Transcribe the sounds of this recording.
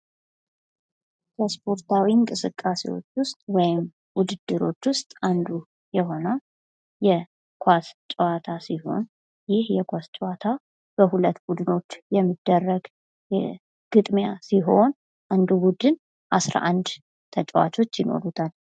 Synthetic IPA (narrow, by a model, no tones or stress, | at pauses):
kʰəspʰo̞ɾt̪ʰawiɨŋkʼɨsɨkʼːasḛwo̞̰t͡ʃːwʊst̪ʼwɔjɪm | wʊd̪ɨd̪ːɨɾo̞t͡ʃːwʊst̪ʼand̪u | jɛɦo̞nə | jɛ | kʷʰast͡ʃʼwat̪ʰasiho̞̰n | jɪhjɛkʰʷast͡ʃʼwat̪ʰa | b̥əɦulət̪ːbud̪ɨno̞t͡ʃːjɛmːɨd̪ːərːəɡ | ɡ̥ɨt̪ʼmjasiɦo̞n | ʔand̪ubud̪ɨn | ʔasɾa̰ʔand̪ | t̪ʰət͡ʃʼwa̰t͡ʃʼo̞t͡ʃːjɪno̞̰ɾut̪ʰal